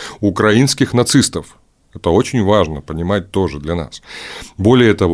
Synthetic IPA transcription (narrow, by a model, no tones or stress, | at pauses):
ʊkɾɐinskʲɪxnɐt̪sɨst̪əf | ɛt̪əo̞t͡ɕɪnʲvaʐnəpənʲɪmat̚ʲt̪o̞ʐɨd̪lʲɐna̰sbo̞lʲɪjəɛt̪ɐv